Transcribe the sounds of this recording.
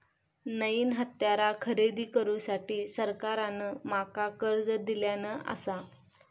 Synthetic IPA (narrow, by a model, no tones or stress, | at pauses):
nəiːnɦət̪jaɾakʰəɾed̪iːkəɾuːsaʈiːsəɾkaɾanəmakakəɾd͡zəd̪iljanəʔə̰sa